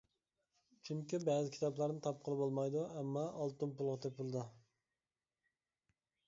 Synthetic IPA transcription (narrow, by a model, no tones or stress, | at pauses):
t͡ʃʰyŋkʲibɛːzɪkʲʰi̥t̪ʰɑplˠɑɾnɨt̪ʰɑp̚qʰəlˠɨbolˠmɑjd̪uɛmːɑːlˠt̪unpulˠʁɑt̪ʰep̚bulˠɨd̪ɨ